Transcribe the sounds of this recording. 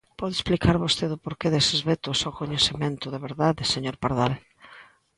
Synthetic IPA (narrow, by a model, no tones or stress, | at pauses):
pɔðesplikaɾβost̪eðʊpoɾkeðesezβet̪ʊsowkoɲeθemẽnt̪ʊðeβeɾðaðeseɲoɾpaɾðal